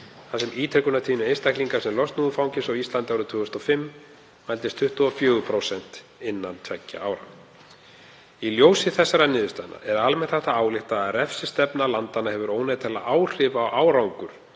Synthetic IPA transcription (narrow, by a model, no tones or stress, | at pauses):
θasɛmiːt̪ʰɾɛkʏnat̪ʰiːnʏejnst̪ahkliŋkḁsɛmlɔst̪nuːðʏfawŋcɪsawist̪lant̪awɾʏt̪ʰʏːɣʏst̪ɔfɪmː | majlt̪ɪst̪ʰʏht̪uɔfjœːɣʏpʰɾosɛn̥t̪ | ɪnːant̪ʰvɛcːa̰ʔaːwɾa̰w | iljoːwsɪθɛsːaɾanɪːðʏst̪anːa̰ʔɛɾalmɛn̥t̪θɛht̪aaːwlɪht̪aðaɾɛfsɪst̪ɛpnalant̪anːahɛvʏɾoːwnat̪ʰɛlːaʔaːwr̥ɪvaːwʔaːwɾawŋkʏɾ̥